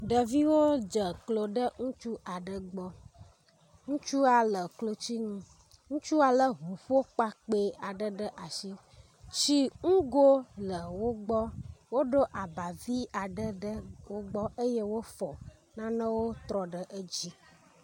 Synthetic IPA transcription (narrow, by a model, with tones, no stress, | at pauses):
ɖə˨vi˦wo˦d͡ʒə˨klo˨ɖə˦ŋũ˦t͡ʃu˦ʔa˨ɖə˨ɡ͡bɔ˦ | ŋũ˦t͡ʃu˦a˨lə˨klo˨t͡ɕi˦ŋũ˦ | ŋũ˦t͡ʃu˦a˨lə˦ɦu˨ɸo˦k͡pa˦k͡pe˦a˨ɖə˦ɖə˦ʔa˨ʃi˦ | t͡ʃi˦ŋũ˦ɡo˦lə˨wo˦ɡ͡bɔ˦wo˦ɖo˦ʔa˨ba˨vi˦a˨ɖə˦ɖə˦wo˦ɡ͡bɔ˦ʔe˦je˦wo˦fɔ˨ | nã˦nə̃˦wo˦t̪ɾɔ˨ɖə˦ʔə˦d͡ʑi˦